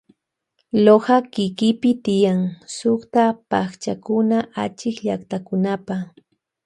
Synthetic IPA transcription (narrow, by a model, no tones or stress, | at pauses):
lohɑkɪkɪpɪt̪ɪjaŋsʊχt̪apaχt͡ʃakʊnaʔat͡ʃɪkʎakt̪akʊnapa